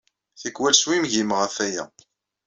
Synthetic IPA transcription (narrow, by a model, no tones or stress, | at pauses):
θikwælswimʝimʁæfæjæ̰